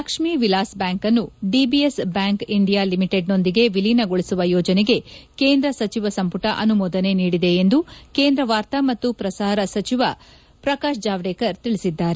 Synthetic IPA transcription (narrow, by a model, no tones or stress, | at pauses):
ɐkʂmiʋilaːsbjaːŋkɐnːuɖibiesbjaːŋkiɳɖijaːlimiʈe̞ɖno̞nd̪iɡe̞ʋilinɐɡoɭisuʋɐjɔːd͡ʒɐneɡe̞keːnd̪ɾɐsɐt͡ʃiʋɐsɐmpuʈɐʔɐnumɔːd̪ɐne̞niːɽid̪e̞ːnd̪uke̞ːnd̪ɾɐʋaːɾt̪ɐmɐt̪ːupɾɐsaːɾɐsɐt͡ʃiʋɐ | pɾɐkaːʃd͡ʒaːʋɽeːkɐɾt̪iɭisid̪ːaːɾe